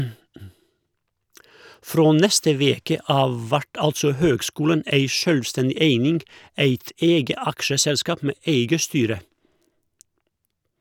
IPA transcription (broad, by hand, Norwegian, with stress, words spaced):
ˈfɾoː ˈnɛstə ˈʋeːkə ˈɑːʋ ˈʋæʈ ˈɑltsɔ ˈhøːɡˌskuːlən ˈeɪ ˈʃœlˌstɛndɪ ˈeɪnɪŋɡ ˈæɪt ˈeːɡə ˈɑkʃəˌsɛlˌskɑːp ˈmeː ˈeɪɡə ˈstyːɾə